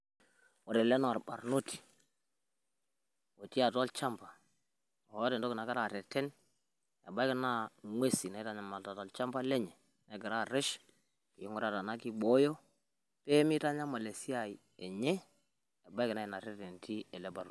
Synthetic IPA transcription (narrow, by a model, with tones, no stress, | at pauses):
wo˨ɾɛ˨lɛ˦n˨a˨ɾba˨ɾno˦ti̥˨ | o˨ti˦a˨tɔ˦lt͡ʃa˦mpa˨ | o˨wɔ˦tɛ˨nto˦ki˨na˨ka˦ɾa˦˨ɾɛ˨tɛ˦n | a̰˨ba˦kɪ˨na˦ŋwe˦si˨na˨˦i˦ta˦ɲa˨ma˨lta˨tɔ˨lt͡ʃa˦mpa˦lɛ˦ɲɛ˨ | na˨˦ɡi˨ɾa˦˨ɾɪ˦ʃ | jo˦ŋɔ˦ɾa˨ta˨na˦ki˦ɓo˦jo˦ | pe˦mi˦ta˦ɲa˦ma˨le˨si˦a˨i˨ | e˨ɲɛ˦ | e˨ba˦ki˨na˦i˨na˨ɾɛ˦tɛ˨ntʰi˦ɛ˨lɛ˦ba˨ɾ